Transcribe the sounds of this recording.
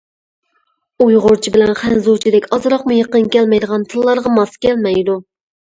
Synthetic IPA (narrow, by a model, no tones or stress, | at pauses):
ujʁʊɾt͡ʃʰibɪlɛnχænzot͡ʃʰid̪ɛkʲɑzɨɾɑqmujeqənkʲɛlmɛjd̪əʁɑnt̪ʰɨlˠːɑɾʁɑmɑskʲɛlmɛjd̪u